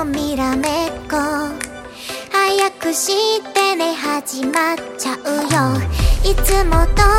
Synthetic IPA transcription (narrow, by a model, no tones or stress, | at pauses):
miɾamet̪̚ko | hajakːɯɕit̪eneɦad͡ʑimat͡ɕaʔɯjʌit͈ɯmɔt̪ɔ